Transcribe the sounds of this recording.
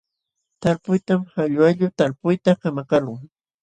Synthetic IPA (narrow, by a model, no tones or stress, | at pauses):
t̪alpʊjt̪amhaʎwaʎʊt̪alpʊjt̪akamakalʊŋ